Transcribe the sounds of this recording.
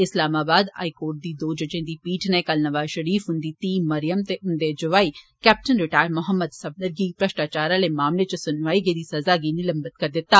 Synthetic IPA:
ɪslaːmaːbaːd̪a̰ːikoːɾʈ̚d̪id̪oːd͡ʒɐd͡ʒẽːd̪ipiːʈʰnekɐlnɐʋaːzʃɐɾiːfʊnd̪it̪iːmɐɾijəmt̪eʔʊnd̪ed͡ʒʊʋaːikɛːp̚ʈənɾɪʈaːjɾmʊɦəmːəd̪sɐb̚nəɾɡipɾɐʃʈaːt͡ʃaːɾalemaːmlet͡ʃɐsʊnʋaːiɡed̪isɐzaɡinilɐmbət̪kɐɾd̪ɪt̪ːaː

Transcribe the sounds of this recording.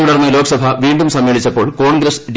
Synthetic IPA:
uɽɐrnːɐloːkɐsɐbʱɐʋiːɳɖumsɐmːeːɭit͡ɕːɐpːo̞ːɭko̞ːɳɡɾɐsɖ

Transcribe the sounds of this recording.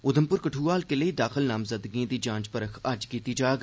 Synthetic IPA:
ʊd̪ʱəmpʊɾkəʈʰuːaːlkeləiːd̪aːxɪlnaːmzəd̪ɡiãːd̪iːd͡ʒãːd͡ʒpəɾəkʰɐd͡ʒkiːt̪iːd͡ʒaːɡ

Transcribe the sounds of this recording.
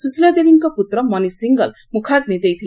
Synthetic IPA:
susilad̪ebiŋkoput̪rʌmʌnisiŋɡʌl | mukʰad̪nid̪ejt̪ʰi

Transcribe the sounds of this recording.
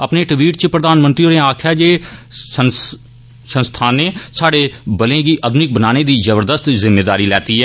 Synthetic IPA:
əpneːʈɪʋiːʈt͡ʃəpɾəd̪aːnmə̃nt̪ɾioːɾẽaːkʰjaːd͡ʒeːə | sə̃nst̪ʰaːnːeːsaːɽeːbəlẽːɡiːʔəd̪nɪk̚bənaːneːd̪iːzəbəɾd̪əst̪zɪmːeːd̪aːɾiːlɛːt̪iːɦɛː

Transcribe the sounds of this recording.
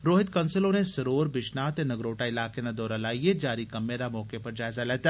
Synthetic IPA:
ɾoːɦɪt̪kɐ̃nsɪlõnesɐɾoːɾbɪʃnaːt̪enɐɡɾoːʈaɪlaːkenad̪ɔːɾalaːied͡ʒaːɾikɐmːed̪amɔːkepɐɾd͡ʒaːɪzaleːt̪a

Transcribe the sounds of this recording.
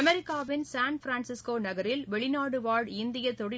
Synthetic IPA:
mɛɾɪkːaːʋɪnsaːnfɾaːnsɪskoːnɐɣɐɾɪlʋɛɭɪnaːɽɯʋaːɖɪnd̪ɪjɐt̪ɔɽɪ

